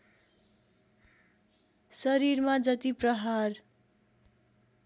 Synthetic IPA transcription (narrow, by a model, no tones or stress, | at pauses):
sʌɾirmad͡zʌt̪iprʌɦar